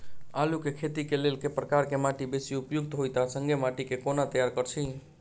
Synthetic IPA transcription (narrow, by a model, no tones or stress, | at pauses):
alukekʰet̪ikelelkepɾəkaɾkemaʈibesiupjuɡ̚t̪ɦojt̪asəŋɡʱemaʈikekonat̪əjaɾkəɾt͡ʃʰi